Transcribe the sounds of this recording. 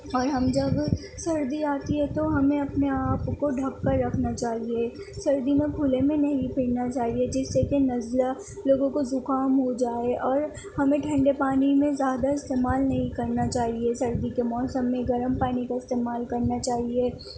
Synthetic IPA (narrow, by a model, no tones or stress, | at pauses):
ɔːɾɦɐmd͡ʒɐb | sɐɾd̪iaːt̪iɦɛ̃t̪oɦɐmẽɐpneaːpkoɖʱɐkːɐɾːɐkʰnat͡ʃaːɦie | sɐɾd̪imẽpʰulemẽnɐɦĩpɪːɽnat͡ʃaːɦied͡ʒɪsːekenɐzla | loːɡõkozʊkaːmɦod͡ʒaːeʔɔːɾ | hɐmẽʈʰɐ̃ɳɖepaːnimẽzjaːd̪aɪst̪eːmaːlnɐɦĩkɐɾnat͡ʃaːɦiesɐɾd̪ikemɔːsəmːẽɡɐɾəmpaːnikaɪst̪eːmaːlkɐɾnat͡ʃaːɦieː